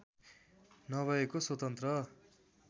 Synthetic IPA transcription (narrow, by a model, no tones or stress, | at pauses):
nʌbʱʌekoswʌt̪ʌnt̪rʌ